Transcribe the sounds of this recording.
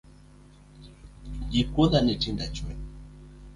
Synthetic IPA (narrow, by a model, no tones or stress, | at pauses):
ɡikuðanɛtindat͡ʃwɛ